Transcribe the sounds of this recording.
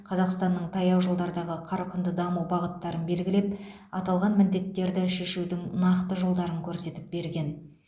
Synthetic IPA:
qʰɑzɑqst̪ɑnːəɴt̪ʰɑjɑwʒolˠd̪ɑɾd̪ɑʁəqʰɑɾqənd̪əd̪ɑmuwbɑʁət̪ːɑɾənbe̞lɡʲɪle̞p | ɑt̪ɑlˠʁɑnmɪnd̪e̞t̪ːe̞ɾd̪ɪʃe̞ʃud̪ɪŋnɑqt̪əʒolˠd̪ɑɾəŋkʲʰɵɾse̞t̪ɪp̚be̞ɾɡʲe̞n

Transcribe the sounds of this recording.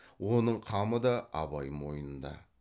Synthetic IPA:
wo̞nəɴqʰɑməd̪ɑɑ̰bɑjmo̞jənənd̪ɑ̰

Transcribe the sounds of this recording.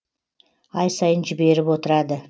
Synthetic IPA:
ɑjsɑjənʒɪbe̞ɾɪpwo̞t̪əɾɑd̪ə

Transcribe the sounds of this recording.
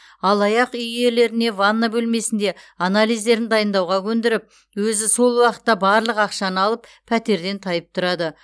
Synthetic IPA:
ɑlˠɑjɑqʏjje̞le̞ɾɪne̞vanːabɵlme̞sɪnd̪e̞analˠijzd̪e̞ɾɪnd̪ɑjənd̪ɑwʁɑkʲʰɵnd̪ɪɾɪp̚ | wɵzɪso̞lˠwɑqə̥t̪ːɑbɑɾlˠəqɑqʃɑnəɑlˠəp | pʰæt̪e̞ɾd̪e̞nt̪ʰɑjəp̚t̪ʰʊɾɑd̪ə

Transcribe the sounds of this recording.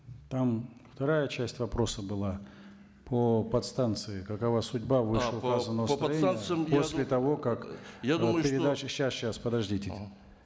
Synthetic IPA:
t̪amft̪ɐɾajət͡ɕæsʲtʲvɐpɾo̞səbɨlˠa | pʰopɐt̪st̪ant̪sɨɪkɐkɐvasʊdʲbavɨʂlˠəkazənəvəst̪ɐjenjɨposʲlʲɪt̪ɐvo̞kakjad̪mpʲɪɾʲɪd̪at͡ɕɕːasɕaspəd̪ɐʐdʲitʲɪ

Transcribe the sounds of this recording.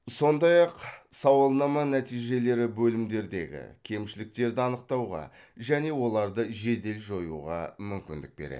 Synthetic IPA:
so̞nd̪ɑjɑqsɑwəlˠnɑmɑnæt̪ijʒe̞le̞ɾɪbɵlɪmd̪e̞ɾd̪e̞̰ɡʲɪ̰kʲʰe̞mʃɪlɪk̚t̪e̞ɾd̪ɪɑnəq̚t̪ɑwʁɑ̰ | ʒæne̞wo̞lˠɑɾd̪əʒe̞d̪e̞lʒo̞jṵʁɑ̰mʏmkʲɪnd̪ɪk̚be̞̰ɾḛ

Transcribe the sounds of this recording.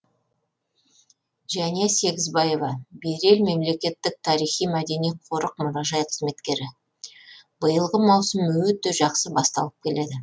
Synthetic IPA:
ʒæne̞se̞ɡʲɪzbɑje̞vɑbe̞ɾe̞lme̞mle̞kʲe̞t̪ːɪk̚t̪ʰɑɾijχijmæd̪e̞nijqʰo̞ɾəq̚mʊɾɑʒɑjqʰəzme̞t̪kʲe̞ɾɪ | bəjəlˠʁəmɑwsəmwɵt̪ːe̞ʒɑqsəbɑst̪ɑ̰lˠəp̚kʲʰe̞le̞d̪ɪ

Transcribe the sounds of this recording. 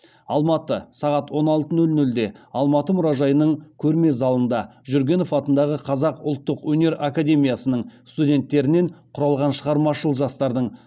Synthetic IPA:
ɑlˠmɑt̪əsɑʁɑt̪wo̞nɑlˠt̪ənɵlnɵld̪e̞ɑlˠmɑt̪əmʊɾɑʒɑjənəɴkʲʰɵɾme̞zɑlˠənd̪ɑʒyɾɡʲe̞no̞fɑt̪ənd̪ɑʁəqʰɑzɑqʊlˠt̪ːəqwɵne̞ɾakadʲe̞mʲijasənəɴst̪udʲe̞nt̪ːe̞ɾɪne̞ɴqʰʊɾɑlˠʁɑnʃəʁɑɾmɑʃəlˠʒɑst̪ɑɾd̪əɴ

